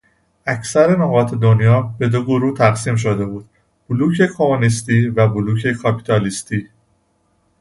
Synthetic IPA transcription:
æcʰsæɾe̞noɣɒːt̪ʰe̞d̪o̞njɒːbe̞d̪oɡoɾuːt̪ʰæɣsiːmʃ̬od̪e̞buːd̪̥̚ | b̥uluːcʰe̞kʰo̞monist̪iːvæbuluːcʰe̞kʰɒpʰi̥t̪ʰɒlist̪ʰiː

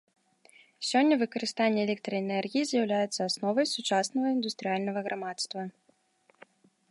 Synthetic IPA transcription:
sʲɔnʲːɐvɨkɐɾɨst̪anʲːɛɛlʲɛk̚t̪ɾɐɛnɛrɣʲijizʲjawlʲajɛt̪sːɐasnɔvɐjsut͡ʂasnɐɣɐind̪ust̪ɾɨjalʲnɐɣɐɣɾʔamat̪st̪vɐ

